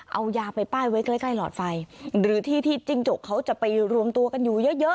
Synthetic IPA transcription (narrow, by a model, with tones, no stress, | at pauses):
ʔa˧wjaː˧pa˧jpaː˥˩jwaː˦˥jklaː˦˥jkla˧˩jlɔː˨˩t̪̚fa˧jɾɯː˩˦t̪ʰiː˥˩t̪ʰiː˧˥˩t͡ɕi˧ŋt͡ɕo˨˩k̚ʰːa˦˥wt͡ɕa˨˩pa˧jɾu˧əmt̪u˧əka˧njuː˨˩jɤ˦˥ʔjɤ˦˥ʔ